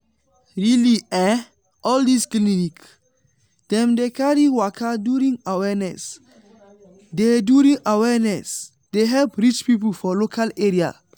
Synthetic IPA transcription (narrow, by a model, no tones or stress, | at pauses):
ɹiliɛ | ʔɔldisklinik | d̥ɛ̃mdekaɹiwakʰaduɾĩŋawɛnɛ̰s | deduɾĩŋawɛnɛs | d̥eɦɛlpɹit͡ʃpipulfɔlokʰaleɹia̰